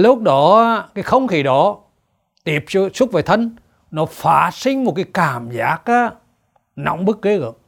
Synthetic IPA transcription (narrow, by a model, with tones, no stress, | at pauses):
lʊ˦˥k͡p̚ɗɔ˨˦˧kaː˨˦jxə˧wŋ͡mxʰi˨˩ɗɔ˨˦ | t̪i˧˩əp̚su˦˥t̚vaː˨˩jt̪ʰə˧ŋ | nɔ˨˦faː˧˩sï˧ŋ̟mo˨˩t̚kaː˨˦jkaː˨˩mzaː˦˥k̚aː˨˦ | na̰˧˨wŋ͡mɓɨ˦˥k̚ːe˨˦ɣə̰˨